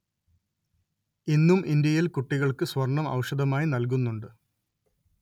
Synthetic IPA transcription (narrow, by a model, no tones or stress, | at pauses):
inːumʔind̪jɐjilkuʈːiɣɐɭkɨswɐrɳɐmɐ̰wʂɐðɐmaːjinɐlk̬unːuɳɖɨ